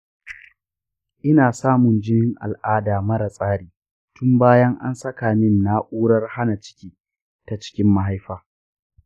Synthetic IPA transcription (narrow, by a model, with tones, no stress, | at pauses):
ʔɪ˦naː˨saː˦mʊ˨nd͡ʒɪ˦nɪ˦ŋʔa̰˨lʔaː˦daː˨mɐ˦ɾa˨sʼaː˦ɽiː˨ | tʊ˦mbaː˦jɐ˦ŋʔa̰˦nsɐ˦kaː˨nɪ˦nːa˦ʔʼuː˦ɽɐ˦rha˦na˨t͡ʃɪ̥˦kʲiː˦ | ta˨t͡ʃɪ̥˦kʲɪ˦mːa˨ɦa˦jɸaː˦